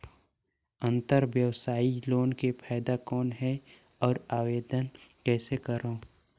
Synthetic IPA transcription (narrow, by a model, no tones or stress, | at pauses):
ə̃nt̪əɾʋjəwsaːiloːnkepʰaːjd̪akɔːnɦɛ | ɔːɾaːʋeːd̪ənkɛːsekəɾõː